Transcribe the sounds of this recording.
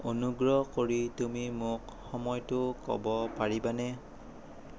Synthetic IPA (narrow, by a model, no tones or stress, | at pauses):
onuɡɹɔkoɹitumimʊk | xɔmɔjtʊkɔ̰bɔpaɹibanɛ